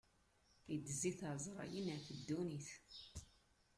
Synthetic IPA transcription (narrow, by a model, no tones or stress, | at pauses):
id̪ːəziθəˤzˤɾˤɑ̰jənəθəd̪ːuniθ